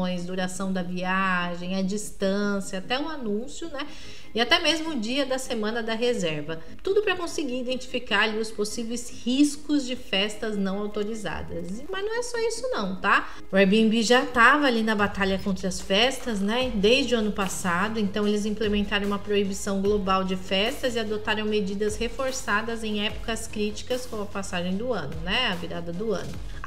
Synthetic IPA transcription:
j̃zd̪uɾasɐ̃w̃d̪ɐviaʒẽj̃ɐd͡ʒist̪ɐ̃sjɐːt̪ɛũanũsjʊnɛ | ɪat̪ɛmezmʊːd͡ʒiɐd̪ɐsemɐ̃nɐd̪ɐɦezɛɾvɐ | t̪ud̪ʊpɾɐkõsɪɡiɾid̪ẽnt͡ʃi̥fikaɾaliʊsposivejshiskʊzd͡ʒɪfɛst̪ɐznɐ̃w̃awt̪oɾiza̰d̪ɐs | mɐznɐ̃w̃ɛsɔisʊnɐ̃w̃t̪a | ʊɛbiẽmbiʒat̪avɐalinɐbat̪aʎɐkõnt̪ɾɐɐsfɛst̪ɐznɛd̪ejzd͡ʒɪʊɐ̃nʊpasad̪ʊẽnt̪ɐ̃w̃elɪzĩplemẽnt̪aɾɐ̃umɐpɾoibisɐ̃w̃ɡlobawd͡ʒɪfɛst̪ɐzɪad̪ot̪aɾɐ̃w̃med͡ʒid̪ɐshefoɾsad̪ɐzẽj̃ɛpʊ̥kɐskɾit͡ʃi̥kɐskõw̃ɐpasaʒẽj̃d̪ʊɐ̃nʊnɛaviɾad̪ɐd̪ʊɐ̰̃nʊ

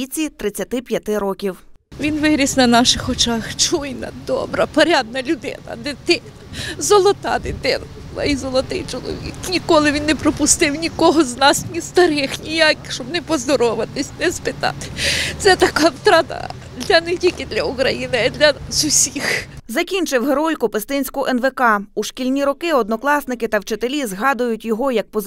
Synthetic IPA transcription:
it͡sʲit̪ɾɪt͡sʲːɐt̪ɪpʲjɐt̪ɪɾɔkʲiw | ʋʲinʋɪɾʲisnɐnɑʃɪxɔt͡ʃɑxt͡ʃujnɐ̰d̪ɔ̰bɾɐpɔɾʲad̪̚nɐlʲʊd̪ɪ̰nɐ̰d̪ɪt̪ɪnɐzɔlˠɔt̪ɑ̰d̪ɪt̪ɪnɐbʊlˠa̰izɔlˠɔt̪ɪjt͡ʃɔlˠɔ̰ʋʲḭknʲikɔlˠɪʋʲinːepɾɔpʊst̪ɪwnʲikɔɦɔznɑsnʲist̪ɐɾɪxnʲijakɪxʃt͡ʃɔbnɛpɔzd̪ɔɾɔʋɪt̪ɪsʲnɛspɪt̪ɑ̰t̪ɪ̥t̪sɛt̪ɐkɑst̪ɾɑt̪ɐ̰ | d̪lʲɐnetʲikɪd̪lʲɐukɾɐjinɪd̪lʲɐzʊsʲixzɐkʲinʲt͡ʃɪwɦeɾɔjkʊpest̪ɪnʲsʲkʊʔɛnʋekɑuʃkʲilʲnʲiɾɔkɪɔd̪nɔklˠɑsnɪkɪt̪ɐwt͡ʃɪt̪elʲizɦɑd̪ʊjʊtʲjɔɦɔjɐk̚pɔ

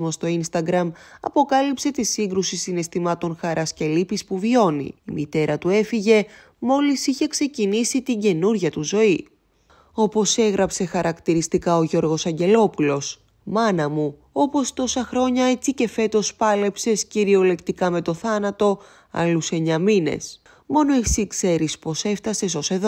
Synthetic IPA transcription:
mo̞st̪o̞inst̪ɐɡɾɐmɐ̰po̞kɐlipse̞t̪isiŋɡɾusisine̞st̪imɐt̪o̞nxɐɾʔɐsce̞lipispuvio̞nḭːmit̪e̞ɾɐt̪ue̞fiʝe̞ | mo̞lisiçe̞kse̞cinisit̪iɲɟe̞nuɾʝɐt̪uzo̞i | o̞po̞se̞ɣɾɐpse̞xɐɾʔɐkt̪iɾist̪ikɐo̞ʝo̞ɾɣo̞sɐɲɟe̞lo̞pulo̞s | mɐnɐmu | o̞po̞st̪o̞sɐxɾo̞ɲɐe̞t͡sice̞fe̞t̪o̞spɐle̞pse̞sciɾio̞le̞kt̪ikɐme̞t̪o̞θɐnɐt̪o̞ | ɐ̰luse̞ɲɐmine̞̰s | mo̞no̞isikse̞ɾispo̞seft̪ɐse̞so̞se̞ðo

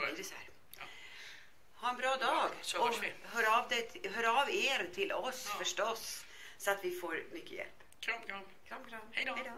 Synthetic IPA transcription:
sæ̰ɾ | hɑːɾɛnbɾɑːd̪ɑːɡɔɦøːɾɑːʋd̪ɛɦøːɾɑːʋeːɾt̪ʰɪlɔsfœʂʈɔs | sɔat̪ʋɪfoːɾmʏkːə̰jɛ̰lp | ɾ

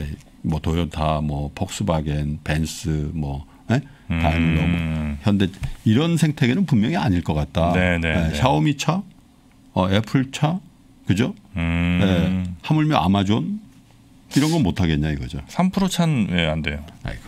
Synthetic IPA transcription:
e | mwʌtojʌtʰamwʌpʰʌk̚s͈ɯbaɡenpe̞ns͈ɯmwʌ | je | taɭmulːʌmʌçjʌnde̞iɾʌnsʰeŋtʰe̞ɡenɯnpummjʌŋiaɲiɭk͈ʌk͈at̚t͈anenejeɕʰaomit͡ɕʰa | ʌe̞pʰɯɭt͡ɕʰa | kɯd͡ʑo | jehamuɭmjʌa̰mad͡ʑon | iɾʌnɡʌnmotʰaɡe̞ɲaiɡʌd͡ʑosʰampʰɯɾot͡ɕʰanjeande̞joḛ

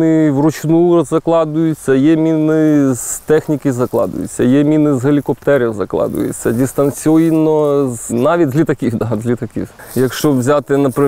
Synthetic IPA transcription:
ɪwrʊt͡ʃnuzɐklˠɑd̪ʊjʊt͡sʲːɐjɛmʲinɪzt̪ɛxnʲikɪzɐklˠɑ̰d̪ʊ̰jʊ̰t͡sʲːɐjɛmʲinɪzɦɐlʲikɔp̚t̪ɛɾʲɛwzɐklˠɑ̰d̪ʊ̰jʊ̰t͡sʲːɐdʲist̪ɐnsʲɔjnɔznɑʋʲitʲzʲlʲit̪ɐkʲiwd̪ɑzʲlʲit̪ɐkʲḭwjɐkʃt͡ʃɔʋzʲat̪ɪnɐpɾɪ

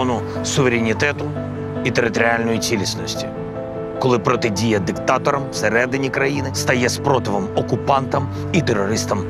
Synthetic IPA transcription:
nʊsʊʋeɾʲenʲit̪ɛt̪ʊ | it̪eɾɪt̪ɔɾʲɪalʲnɔjit͡sʲilʲisʲnɔsʲtʲi̥ | kɔlˠɪpɾɔt̪ɪdʲijɐd̪ɪkt̪ɑt̪ɔɾɐmseɾɛd̪ɪnʲikɾɐjinɪst̪ɐjɛspɾɔt̪ɪʋɔmɔkʊpɑnt̪ɐm | it̪eɾɔɾɪst̪ɐm

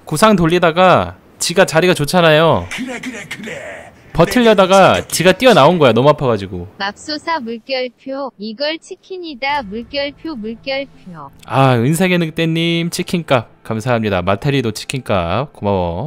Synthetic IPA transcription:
kusʰaŋtoʎːidaɡa | t͡ɕiɡat͡ɕaɾiɡat͡ɕot͡ɕʰanajo | pʌtʰɯʎːʌdaɡat͡ɕiɡat͈iʌnaonɡʌjanʌmuapʰʌɡad͡ʑiɡomap̚s͈osʰamuɭk͈jʌɭpʰjoiɡʌɭt͡ɕʰikʰiɲidamuɭk͈jʌɭpʰjomuɭk͈jʌɭpʰjoaɯns̬ʰe̞ɡenɯk̚t͈enːimt͡ɕʰikʰink͈ap̚kamsʰaɦamɲidamatʰeɾidot͡ɕʰi̥kʰink͈a̰p̚komawʌ̰

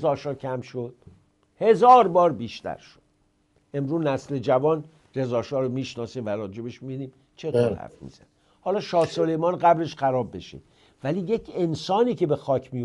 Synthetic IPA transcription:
zɒːʃɒːcʰæmʃod̪̥̚ | he̞zɒːɾbɒːɾbiːʃt̪æ̰ɾʃod̪̥ | e̞mɾuːnæsle̞d͡ʒævɒːn | re̞zɒːʃɒːɾomiːʃnɒːsiːmvæɾɒːd͡ʒe̞beʃmid̪iːm | t͡ʃʰe̞t̪ʰoːɾhæ̰ɾfmḭːz̥æ̰ni | hɒːlɒːʃɒːsolejmɒːnɢæbɾe̞ʃxæɾɒːbːe̞ʃḭd̪ | væliːje̞cʰe̞nsɒːniːcʰe̞be̞xɒːcʰmi

